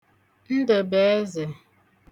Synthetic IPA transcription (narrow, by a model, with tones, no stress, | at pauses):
n̩˦də˨bɛː˨˦ze˨